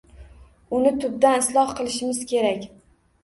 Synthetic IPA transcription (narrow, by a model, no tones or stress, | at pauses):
ʊnɪt̪ʰʊb̚d̪anɪslˠɒhqʰɨlˠɪʃɪmɪz̥kʲʰe̞ɾakʲ